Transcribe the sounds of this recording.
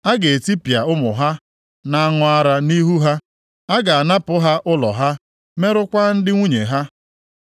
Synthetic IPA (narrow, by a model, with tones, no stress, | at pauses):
a˦ɡe˨e˨ti˦pja˨ʊ˦mʊ̰˨ɦa˦ | na˦˨a˦ŋʊ˨a˦ɾa˦ni˦ɦu˦ɦa˦ | a˦ɡa˨a˨na˦pʊ˦ɦa˦ʔʊ˦lɔ̰˨ɦa˦ | me˦ɾʊ˦kʷa˦n̩˦dɪ˦ŋʷu˦ɲe˨ɦa˦